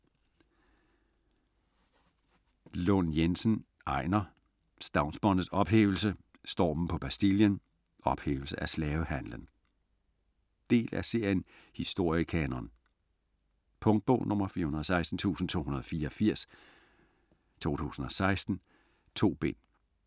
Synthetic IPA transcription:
lɔnjensən | ɑ̈ɪ̰nɐ | sd̥ɑ̈ʊnsb̥ɒnð̩sɒ̽b̥ɦḛːʊl̩sə | sd̥ɒ̰ːmm̩pʰɒ̽b̥æsd̥iljən | ʔɒ̽b̥hḛːʊl̩səʔæslɛːʊəhænlən | d̥e̝̰ːlʔæse̝ɐ̰jən | hisd̥o̝ɐ̰ikʰɛnɐn | pʰɔ̽ŋd̥̚b̥ɔʊ̰nʔɔ̽mɐfiɐhunɐðˠɒsɑ̈ɪsd̥n̩t͡sʰṵːsn̩t͡sʰo̝̰ːunɐð̞̩ˠɒ̽fiːɐɒ̽fiɐ̰s | t͡sʰo̝̰ːt͡sʰṵːsn̩ɒ̽sɑ̈ɪsd̥n̩ | t͡sʰo̝̰ːb̥e̝n̰

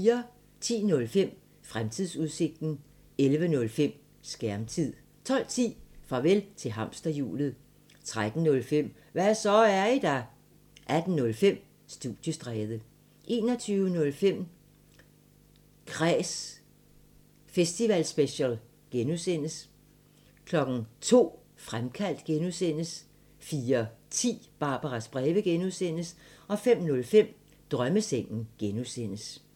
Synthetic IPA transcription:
iːɐ | t͡sʰḭːnɔ̽lfem̰ | fʁamt͡sʰiðˠsuðˠse̝ɡ̥̚d̥n̩ | elʋənɔ̽lfem̰ | sɡ̥æɐmt͡sʰið̰ˠ | t͡sʰɒ̽l̰t͡sʰḭːfʁɑ̈ʋelt͡sʰe̝ɦɑ̈m̰sd̥ɐjṵːlð̩ˠ | t͡sʰʁad̥n̩ːɔ̽lfem̰ | ʋæsɒæɐid̥æ | ʔæd̥n̩ːɔ̽lfem̰ | sd̥uð̥jəsd̥ʁɛːð̞ˠə | ʔe̝̰ːnɒt͡sʰyːʊənɔ̽lfem̰ | kʰʁɛːs | fesd̥iʋælsb̥eɕæl | ɡ̥enusen̰əs | kʰlɒ̽ɡ̥n̩t͡sʰo̝̰ː | fʁamkʰæl̰d̥ɡ̥enusen̰əs | fiːɐt͡sʰḭːb̥ɑ̈ːb̥ɑʁɑsb̥ʁɛːʋəɡ̥enuðˠsen̰əsɒ̽fem̰nɔ̽lfem̰ | d̥ʁɶməseŋ̰n̩ɡ̥enusen̰əs

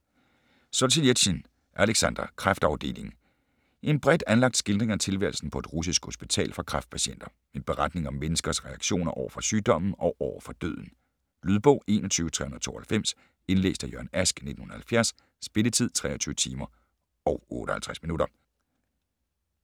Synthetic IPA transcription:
sosied̥ɕin | ʔæleɡ̥sænd̥ɐkʰʁɑfd̥ɑ̈ʊd̥e̝̰ːle̝ŋ | ʔe̝nb̥ʁɛd̥ænlɑ̈ɡ̥d̥sɡ̥e̝ld̥ʁeŋɐt͡sʰe̝lʋæ̰ɐl̩sn̩pʰɒ̽e̝d̥ʁus̬isɡ̥ho̝sb̥it͡sʰɛ̰ːlfɑ̈kʰʁɑ̈fd̥̚pʰæɕen̰d̥ɐ | meb̥e̝ʁɑ̈d̥ne̝ŋɒ̽mːenəsɡ̥ɐsʁɛɑ̈ɡ̥ɕo̝̰ːnɐʔɒʊɐfɒ̽syːd̥ɒ̽m̰n̩ɒ̽ʊʔɒʊɐfɒ̽d̥ø̰ðˠn̩ | lyðˠb̥ɔ̽ʊe̝ːnɒt͡sʰyːʊət͡sʰʁɛ̰hun̩ɐt͡sʰo̝̰ːɐhælfem̰s | e̝nlḛːsd̥æjøɐnæsɡ̥ne̝d̥n̩hun̩ˠɐhælfjæɐsː | b̥e̝lət͡sʰið̞̰ˠt͡sʰʁɛ̰ːɐt͡sʰyːʋət͡sʰiːmɐ | ʔɒ̽ʊɔ̰̽ːɾ̥əhælt͡sʰʁɛsminuɾɐ

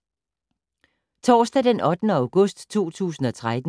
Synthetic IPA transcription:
t͡sʰɒ̰ːsd̥æd̥enʔɒ̽d̥nəäʊɡ̥ɔsd̥t͡sʰo̝̰ːt͡sʰṵːsn̩ɒ̽t͡sʰʁad̥

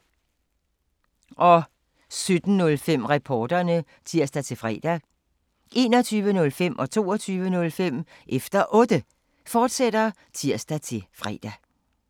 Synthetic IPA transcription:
ʔɒ̽ | sød̥n̩nɔ̽lfem̰ʁapʰɒːd̥ɐnə | t͡sʰiɐ̰sd̥æt͡sʰe̝lfʁɛ̰ːd̥æ | ʔe̝̰ːnɒ̽t͡sʰyːʋənɔ̽lfem̰ʔɒ̽t͡sʰo̝̰ːɐt͡sʰyːʋənɔ̽lfem̰ | ʔefd̥ɐʔɔ̽ːd̥ə | fɒːd̥sed̥ɐ | t͡sʰiɐ̰sd̥æt͡sʰe̝fʁɛ̰ːd̥æ

